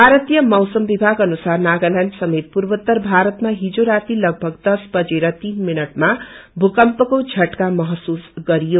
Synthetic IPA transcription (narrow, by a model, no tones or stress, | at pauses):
bʱaɾʌt̪ijʌmʌwsʌmbibʱaɡʌnusarnaɡʌlʌnɖsʌmet̪̚puɾbʌt̪ːʌrbʱaɾʌt̪maɦid͡zoɾat̪ilʌɡ̚bʱʌɡd̪ʌsbʌd͡zeɾʌt̪inminʌʈmabʱukʌmpʌkod͡zʱʌʈkamʌɦʌsusɡʌɾijo